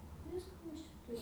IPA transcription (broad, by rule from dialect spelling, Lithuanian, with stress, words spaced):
ˈʋʲɪskoː ˈmʲɛs t͡ʃʲɛ ˈtʊrʲɪm